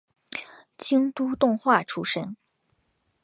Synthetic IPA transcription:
t͡ɕi˥ŋt̪u˥t̪ʊ˥˧ŋxwa˥˩ʈ͡ʂʰu˥ʂə˥n

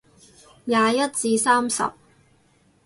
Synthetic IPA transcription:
jaː˨˧jɐ˥t̚t͡siː˧saː˥msɐ̰˨p̚

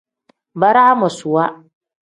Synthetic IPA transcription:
ba˦ɾa˦a˦mɔ˨su˨wa˦

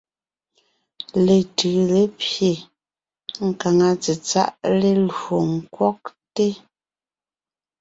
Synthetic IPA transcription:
le˨tɯ˨le˦pje˨ | ŋ̩˨ka˨ŋa˨t͡se˨t͡sa̰˦˨ʔle˦lo˨ŋ̩˨kwɔ˦k̚te˦

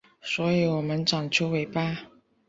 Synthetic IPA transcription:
swɔ˧˥i˨˦wɔ˨˩mə˧˦nʈ͡ʂɑ˨˩ŋt͡ɕʰju˥ʊwe˧˥ɪpa˥

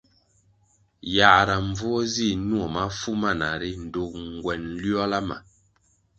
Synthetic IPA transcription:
ja˨ʔɾa˨ɱ˨b͡vɔ˦zi˦˨nwo˨ma˦fu˦ma˦˨na˨ɾi˦n̩˨do˦ŋ̩˨ɡwɛ˨n˦lɥɔ˦la˦ma̰˨

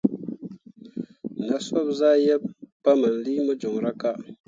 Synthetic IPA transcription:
na˨sɔ˦p̚za˦jɛ˦p̚pːa˦mə˨n̩˨li˦mə˦d͡ʒo˨ŋɾa˦ka˦ʔ

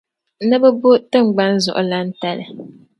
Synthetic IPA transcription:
nɨ˦bɛ˦bʊ˦tɨ˦ŋ͡mɡ͡ba˦n̩˦zʊ̰˨ʔʊ˦la˦n̩˦ta˦lɨ˨

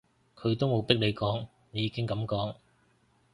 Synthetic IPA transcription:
kʰɵ˨˧ɥt̪o˥wmo˨˧wpɪ˥k̚le˨˧jkɔː˨˥ŋ | ne˨˧jiː˨˧kɪ˥ŋkɐ˨˥mkɔː˨˥ŋ

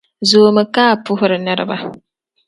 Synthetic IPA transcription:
zoː˨mɨ˨kaː˦˨pʊ˦ɦʊ˦ɾɨ˨nɨ˦ɾɨ̰˦ba˦

